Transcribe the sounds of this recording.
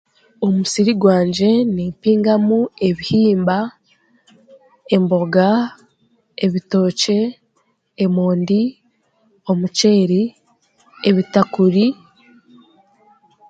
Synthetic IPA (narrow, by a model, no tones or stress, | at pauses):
omusiɾiɡwaːɲɟe̞niːmpiːŋɡamue̞βihiːmba | e̞mbo̞ɡa | eβito̞ːce̞ː | moːndi | o̞mut͡ʃe̞ːɾi | eβitakuɾi